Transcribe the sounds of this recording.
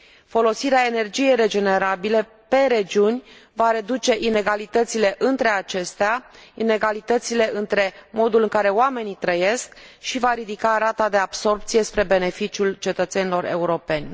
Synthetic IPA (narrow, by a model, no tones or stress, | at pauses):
fo̞lo̞siɾeae̞ne̞rd͡ʒije̞jre̞d͡ʒe̞ne̞ɾabile̞ | pe̞ɾe̞d͡ʒiunʲvaɾe̞d̪ut͡ʃe̞ʔine̞ɡalit̪ət̪sile̞ʔɨnt̪ɾe̞at͡ʃe̞st̪eaine̞ɡalit̪ət̪sile̞ʔɨnt̪ɾe̞mo̞d̪ulɨŋkaɾe̞oame̞nit̪ɾəje̞skʃivaɾid̪ikaɾat̪ad̪e̞abso̞rpt̪sijespɾe̞be̞ne̞fit͡ʃiult͡ʃe̞t̪ət̪se̞nilo̞ɾe̞̰uɾo̞pe̞nʲ